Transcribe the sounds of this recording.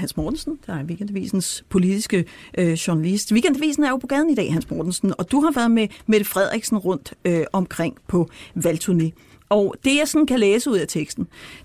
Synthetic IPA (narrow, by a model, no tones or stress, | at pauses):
hænsmɒːd̥n̩sn̩d̥ɑ̈æɐʋiɡ̥end̥ʋḭːsn̩spʰo̝lid̥isɡ̥əʔɕuɐnælisd̥ʋiɡ̥end̥æʋḭːsn̩æɐjo̝pʰɒ̽ɡ̥ɛð̞ˠn̩id̥ɛ̰ːhænsmɒːd̥n̩sn̩ɒ̽d̥uɦɑ̈ʋæɐðˠmemeɾ̥əfʁɛð̞̰ˠʁeɡ̥sn̩ʁɔ̽n̰d̥øɒ̽mkʰʁeŋ̰pʰɒ̽ʋælt͡sʰuɐne̝ | ɒd̥e̝jɑ̈ɪsɒ̽n̩kʰæleːsəuð̞̰ˠæt͡sʰeɡ̥sd̥n̩